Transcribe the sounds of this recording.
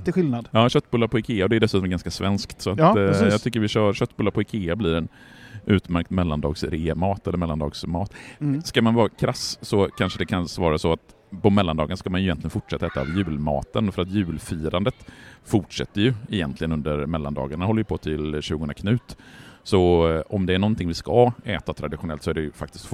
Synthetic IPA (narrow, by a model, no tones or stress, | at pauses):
ɧɪlnad̪jɑːɕœt̪ːbɵlːaɾpʰɔɪkʰeːaɔd̪ɛjd̪ɛsʉt̪ɔmɛɾɡanskasvɛnskt̪sɔat̪ːjɑɡt̪ʰʏkːəɾvɪɕœːɕœt̪ːbɵlːaɾpʰɔɪkʰeːabliːɾɛnʔʉ̟ːt̪mæɾk̚t̪mɛlːand̪ɑ̰ːɡsɾeːmɑːt̪ɛlːəɾmɛlːand̪ɑːɡsmɑːt̪skamanvɑːɾakʰɾassɔkʰanʂəd̪ɛkʰansvɑːɾasɔat̪ | pɔmɛlːand̪ɑːɡanaskamanjʏjɛnlɪɡənfʊʈʂɛt̪ːaɛːt̪a̰vjʉ̟ːlmɑ̰ːt̪ənfœɾat̪jʉ̟ːlfiːɾand̪ət̪fʊʈʂɛ̰t̪ːəjɵɛjɛnt̪lɪɡənɵnd̪əɾmɛlːa̰nd̪ɑ̰ːɡaɳahɔlːəjəpʰɔt̪ʰɪlɕʉːɡənɾakʰnʉ̟ːt̪sɔɔmd̪ɛæɳɔnt̪ʰɪŋvɪskaɛːt̪at̪ʰɾad̪ɪɧʊnɛlt̪sɔæɖɛfak̚t̪ɪst̪f